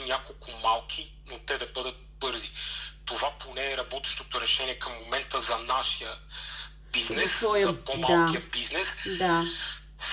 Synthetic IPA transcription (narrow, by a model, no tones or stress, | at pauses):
nʲjakolˠkʰʊmalˠk̟ʰʲi | not̪ɛd̪ɐbɤd̪ət̪̚bɤɾzit̪ovaponɛːɾɐbɔt̪ɛ̥ʃt̪ot̪oɾɛʃɛniɛkɐmːomɛnt̪əzɐnaʃijə | biznɛsɔjɐpodmalakiəbiznɛsd̪a